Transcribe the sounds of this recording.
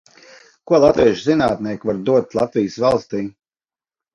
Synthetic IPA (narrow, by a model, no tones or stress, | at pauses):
kuɔlˠat̪viɛʃzinaːt̪̚niɛkvaɾd̪uɔt̪lˠat̪vijsvalˠst̪iː